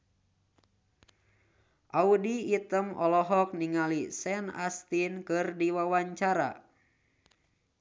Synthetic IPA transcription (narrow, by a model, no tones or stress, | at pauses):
ʔaudiːt̪əmɔlɔɦɔk̚niŋalisɛna̰st̪inkɨrdiwawaɲt͡ʃaɾa̰